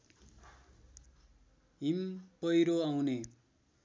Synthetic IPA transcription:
ɦimpʌjɾoaw̃ne

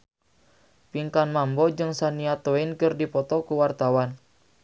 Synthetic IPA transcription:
piŋkanmambɔd͡ʒɨŋsaniat̪oinkɨrdipɔt̪ɔkuwart̪awan

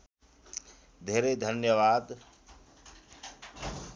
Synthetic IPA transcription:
d̪ʱeɾed̪ʱənjəβad̪

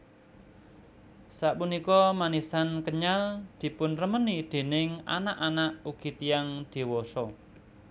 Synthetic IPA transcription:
saʔpunikɔmanisankəɲald̪̥i̤pʊnrəmənid̪̥e̤nɪŋa̰naʔanaʔuɡ̥i̤t̪ijaŋd̪̥i̤wɔsɔ

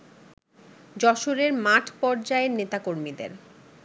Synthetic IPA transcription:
d͡ʑɔʃoɾeɾmaʈʰpɔɾd͡ʑaenet̪akoɾmid̪ḛɾ

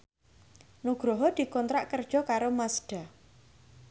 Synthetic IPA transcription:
nuɡ̥ɾɔɦɔd̪̥i̤kɔnt̪ɾaʔkərd̥ʒ̥ɔ̤kaɾomasɖ̥a̤

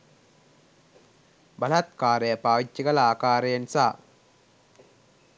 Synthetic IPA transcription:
bɐlɐt̪kaːɾejɐpaːʋɪt͡ʃːɪɡɐlaːkaːɾensaː

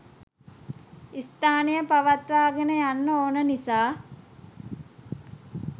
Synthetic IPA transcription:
ist̪aːnijəpaʋat̪ʋaːɡenəjanːəoːnənisaː

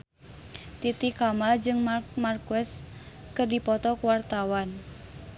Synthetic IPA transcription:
t̪it̪ikamald͡ʒɨŋmmarkɛs | kɨrdipɔt̪ɔkwart̪awan

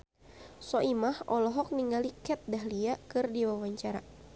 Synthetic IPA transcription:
sɔʔimahʔɔlɔɦɔk̚niŋɡalikɛt̪̚daɦliakɨrdiwawaɲt͡ʃaɾa

